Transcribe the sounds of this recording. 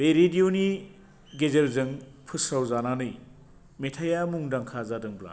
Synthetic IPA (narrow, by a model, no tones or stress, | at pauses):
beɾedioni | ɡezelzɯŋpʰɯsawzananɯj | metʰajamuŋdaŋkʰazadɯŋbla̰